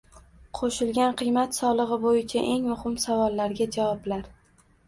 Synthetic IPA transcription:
qʰoʃɪlɡʲanqʰɨjmat̪sɒlˠɨʁɨbojɪt͡ʃʰaʔe̞ŋmʊhɪmsavɒlˠːaɾɡʲad͡ʒavɒblaɾ

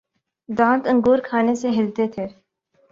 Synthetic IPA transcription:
d̪ãːnt̪ə̃ŋɡuːɾkʰaːneseɦɪlt̪eːt̪ʰeːɾ

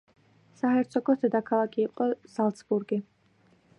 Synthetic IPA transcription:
saɦɛɾt̪sʰɔɡɔsd̪ɛd̪akʰalˠakʰʼiːqʼɔz̥alˠt̪sbuɾɡi

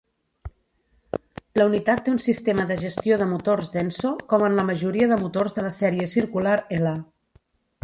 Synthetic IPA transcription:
ləunit̪at̪ːeunsist̪eməðəʒəst̪ioð̞əmut̪orzðɛnsokɔmənləməʒuɾiəðəmut̪orzðələsɛɾiəsiɾkulaɾela

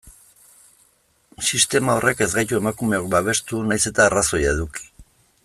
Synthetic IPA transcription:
sist̪e̞mao̞rʔe̞ke̞zɣajt̪ue̞makume̞o̞k̚baβ̞e̞st̪unajse̞t̪aːraso̞jaeðuki̥

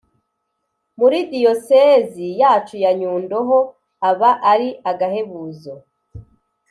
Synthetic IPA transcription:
muɾidiosezijaːt͡ʃujaɲuːndoɦo | aβaʔaɾiaɡahe̞βuːzo

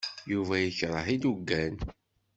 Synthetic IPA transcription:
juvæjəçɾˤəħid̪uɡːæn

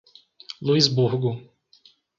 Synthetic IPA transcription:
luizbuɾɡʊ

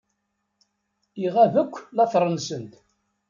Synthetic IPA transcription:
iʁævəkʷːlɑθɾˤənsənt̪

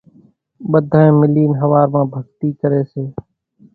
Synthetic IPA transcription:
ɓəd̪ʱaẽːmɪliːnɦəʋaːɾmãːbʱəɡ̚t̪iːkəɾeːseː

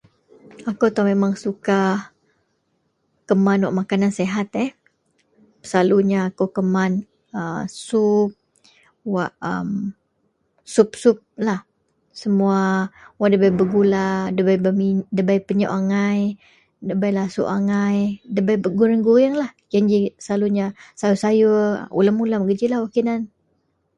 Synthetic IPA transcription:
akowt̪ɔmemaŋsuka | kəmanwa̰ʔmakananseɦat̪ɛh | pə̥saluɲaːkokəman | əsup̚ | waʔə̰m | sʊp̚sʊp̚lah | səmuawaʔdəbajbəɡuladəbajbmidəbajpəɲaʔaŋaj | dəbajlasṵʔaŋajdəbajbəɡuɾəŋɡujaŋlahd͡ʒaɲd͡ʒisaluɲasajusajṵṵlamulamɡəd͡ʒilahwakinan

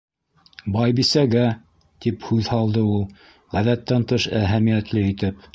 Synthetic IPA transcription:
bɑjbisæɡæ | t̪iphʉðhɑlˠd̪ɤulˠ | ʁæðæt̪ːænt̪ɤʃæɦæmijæt̪lɘit̪ɘp̚

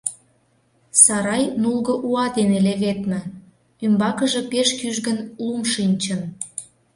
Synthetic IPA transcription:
sɑɾɑjnulˠɣɤ̆ʔuɑd̪eneleɣet̪mə̆ | ymbɑkəʒĕpeʃkyʒɣənlumʃinʲt͡ɕən

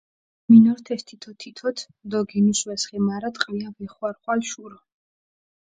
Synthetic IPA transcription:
minɔɾt̪ʰɛst̪ʰit̪ʰɔt̪ʰːit̪ʰɔt̪ʰ | d̪ɔɡinuʃwɛsχɛmaɾat̪ʼqʼviavɛχwaɾχwalʃuɾɔ

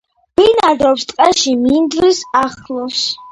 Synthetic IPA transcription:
ɡ̥inad̪ɔpst̪ʼqʼɛʃimind̪ɾisaχlˠɔs

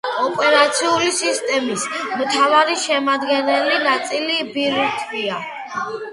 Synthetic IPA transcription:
ɔpʼɛɾat̪sʰiulisist̪ʼɛmismt̪ʰavaɾiʃɛmad̪ɡɛnɛlinat̪sʼilibiɾt̪ʰvia

